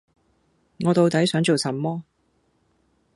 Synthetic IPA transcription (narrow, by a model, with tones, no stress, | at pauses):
ŋɔː˨˧t̪o˨˧wt̪ɐ˨˥jsœː˨˥ŋt͡so˨wsɐ˨˥mɔː˥